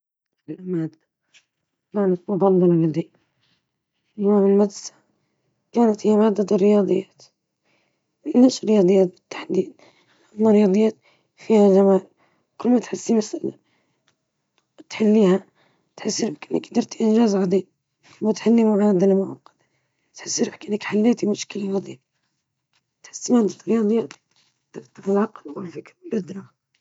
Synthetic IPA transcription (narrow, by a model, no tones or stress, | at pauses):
fɪlʔamaːd̪ːa | maːnat̪mʊbɑlˤːɑlɑlɪd̪i | aːmɪlmad̪sḁ | kaːnat̪hijːamaːd̪ːad̪ɪrːɪjɑːd̪ˤɨjːaːt̪ | ɪnːasɾːɪjɑːd̪ˤɨjːaːt̪̚bɪ̥t̪ːḁħd̪iːd̪̚ | ʔamːaɾˤjɑːd̪ˤɨjːaːt̪ | fiːhad͡ʒamaːl | kʊlːmat̪ħɪsːimasʔala̰ | t̪ħalːihæ | t̪ħəsːɾkʔənːəkd̪ɑɾt̪iʔənʒæzʕɑd̪ˤin | mæt̪ħalːimaʕɑd̪əlmʊʕɑqːɑd̪̥ | t̪ħəsːəɾəkʔənːəkħalːæt̪imʊʃkəlaʕɑd̪ˤib | t̪ħə̥sːimæd̪əɾt̪ɾjɑd̪ˤəjːæt̪ | t̪əɾt̪ːəɾəlʕɑqlwəlfiklʔʊd̪ɾɑ